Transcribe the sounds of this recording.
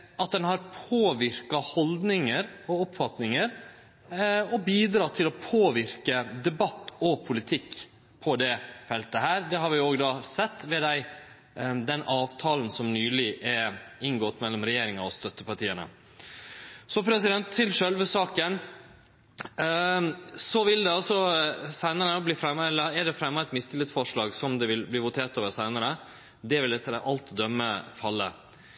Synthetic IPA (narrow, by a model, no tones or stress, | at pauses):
ɑt̪̚d̪ɛnhɑɾpʰoːʋɪɾkɑhɔld̪nɪŋəɾɔʊpfɑt̪nɪŋəɾ | ɔbiːd̪ɾɑːt̪ʰːɪlɔpʰoːʋɪɾkəd̪ɛbɑt̪ːɔpʰʊlɪt̪ʰɪkː | pʰɔd̪ɛfɛlt̪əɦæːɾd̪ɛɦɑɾʋɪoːɡd̪ɑːsɛt̪ːʋɛːd̪æɪ | d̪ɛnɑːʋt̪ʰɑːlənsɔmnyːlɪʔɛɪŋɡɔt̪ːmɛlːɔmɾɛjeːɾɪŋɑɔst̪œt̪ːəpɑʈiːənə̰ | sɔpʰɾɛsɪd̪ɛnt̪ʰːɪlʂœlʋəʂɑːkən | sɔʋɪld̪ɛɑlsɔsæɪnəɾənbliːfɾɛmːɛlːəɛɖɛfɾɛmːɑɛt̪mɪst̪ɪlɪsfɔʂɭɑːɡsɔmd̪ɛʋɪlbliːʋʊt̪ʰeːʈ̪øːʋəɾsæɪnəɾə | d̪ɛʋɪlɛt̪ːəɾəʔɑlt̪d̪œmːəfɑlːə